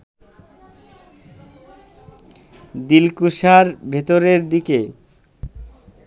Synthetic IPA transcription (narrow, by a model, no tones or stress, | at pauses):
d̪ilkuʃaɾbʱet̪oɾeɾd̪ike